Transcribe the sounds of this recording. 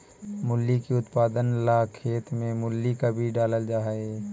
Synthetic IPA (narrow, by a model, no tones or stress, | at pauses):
mʊlːikiʊt̪paːd̪ənlakʰeːt̪mẽmʊlːikabʱiɖaːləld͡ʒaːɦəe